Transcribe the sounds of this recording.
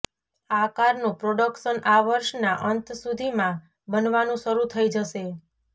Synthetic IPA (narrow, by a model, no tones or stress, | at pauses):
akaɾnũpɾoɖəkʃənaʋəɾʃnaʔənt̪sud̪ʱimã | bənʋanũʃəɾut̪ʰəid͡ʒəʃe